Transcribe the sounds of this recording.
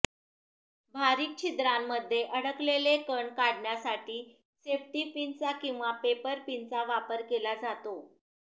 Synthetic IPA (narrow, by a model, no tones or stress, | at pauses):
bʱaɾiːk̚t͡ɕʰid̪ɾamːəd̪ʱːjeʔəɽəklelekəɳkaɽɳjasaʈiː | sefʈipint͡sakĩw̃ʋapepəɾpint͡saʋapəɾkelad͡zat̪o